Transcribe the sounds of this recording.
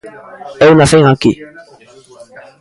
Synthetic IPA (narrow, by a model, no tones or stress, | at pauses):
ɛunaseŋaki